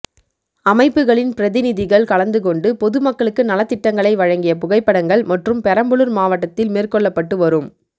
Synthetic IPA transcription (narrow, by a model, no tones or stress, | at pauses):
ɐmɐɪpːɯɣɐɭɪnpɪɾɐðɪnɪðɪɣɐɭkɐɭɐnd̪ɯkɔɳɖɯpɔðɯmɐkːɐɭɯkːɯnɐlɐt̪ːɪʈːɐŋɡɐɭɐɪʋɐɻɐŋɡɪjɐpʊɣɐɪpːɐɽɐŋɡɐɭmɐʈrɯmpɛɾɐmbɯɭɯɾmaːʋɐʈːɐt̪ːɪlmeːrkɔɭːɐpːɐʈːɯʋɐɾɯm